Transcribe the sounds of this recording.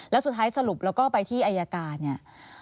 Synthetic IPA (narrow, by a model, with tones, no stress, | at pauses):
lɛ˦˥wsu˨˩t̪ʰːaː˦˥jsa˧ɾu˨˩p̚lɛː˦˥wkɔː˥˩pa˧jt̪ʰiː˥˩ʔa˧jaː˧kaː˧nni˦˥˩ɐ